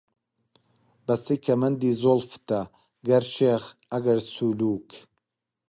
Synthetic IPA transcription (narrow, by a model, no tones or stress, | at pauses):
bɐsikʰɐmɐnd̪iːzolft̪ɐ | ɡɐɾʃeːɣɐɡɐɾsuluːk